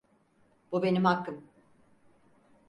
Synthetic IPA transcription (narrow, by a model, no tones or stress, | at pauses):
b̥ube̞nimɦakʰːɯm